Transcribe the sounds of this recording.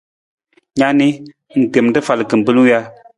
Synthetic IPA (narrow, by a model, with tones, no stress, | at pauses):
ɲa˦ni˦ | ŋ̩˨te˨m˨tɨ˦fa˨lɨ˨kɨ˨m˨bɨ˦lu˦ja˦